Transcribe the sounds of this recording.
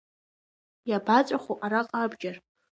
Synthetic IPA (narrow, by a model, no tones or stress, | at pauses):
jabat͡sʷʼaχʷoʔaɾaqʼabd͡ʒar